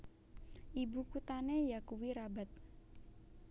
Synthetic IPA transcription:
ʔibukut̪anejakuwiɾabat̪̚

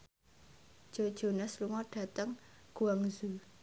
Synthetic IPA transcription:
d̥ʒ̥o̤d̥ʒ̥o̤nəsluŋɔɖ̥ä̤t̪əŋɡ̥uaŋzu

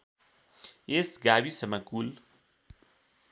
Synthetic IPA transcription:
esɡabisəmakul

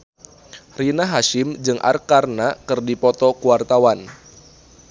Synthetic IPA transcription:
rinaɦaʃɪmd͡ʒɨŋʔa̰rkarnakɨrdipɔt̪ɔkuwart̪awan

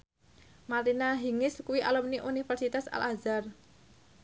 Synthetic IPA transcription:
maɾinaɦiŋɪskuwiʔa̰lumniʔunifɛrsit̪asa̰lʔazar

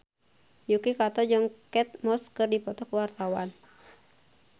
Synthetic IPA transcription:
jukikat̪ɔd͡ʒəŋkɛt̪̚mɔskɨrdipɔt̪ɔkuwart̪awan

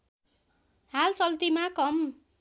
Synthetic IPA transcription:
halt͡sʌlt̪imakʌm

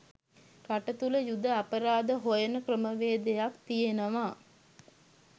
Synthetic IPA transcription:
kaʈət̪uləjud̪əapəɾaːd̪əɦojənəkrəməʋeːd̪ejakt̪ijenəʋaː

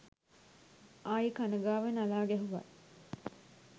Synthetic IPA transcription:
aːjikanəɡaːʋenalaːɡɛɦuʋɐ̰

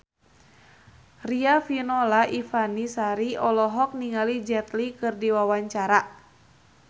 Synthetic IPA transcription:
riafinɔlaʔifanisaɾiɔlɔɦɔk̚niŋalid͡ʒɛt̪likɨrdiwawaɲt͡ʃaɾa

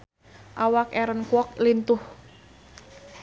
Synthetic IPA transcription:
ʔawakɛɾənkwɔk̚lint̪ʊh

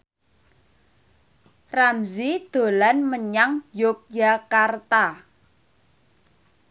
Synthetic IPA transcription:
ramzid̪̥o̤lanməɲaŋjok̚jakart̪a

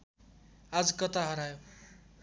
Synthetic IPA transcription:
ad͡zʌkʌt̪aɦʌɾajo

